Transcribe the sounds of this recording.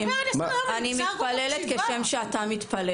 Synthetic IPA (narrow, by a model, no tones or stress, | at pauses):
manimit̪palelet̪keʃemʃeat̪amit̪pale